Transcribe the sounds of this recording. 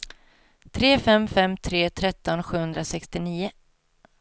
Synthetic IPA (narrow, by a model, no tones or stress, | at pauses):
t̪ʰɾeːfɛmfɛmt̪ʰɾeːt̪ʰɾɛt̪ːɔnɧʉ̟ːhɵnd̪ɾasɛkst̪ɪniːʊ